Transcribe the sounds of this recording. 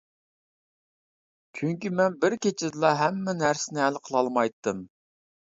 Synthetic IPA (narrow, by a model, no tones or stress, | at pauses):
t͡ʃʰyŋkʲimɛnbɪɾkʲet͡ʃʰɪd̪ɨlˠɑɦɛmːɛnæɾsɪnɪælqʰəlˠɑlˠmɑjt̪ːɨm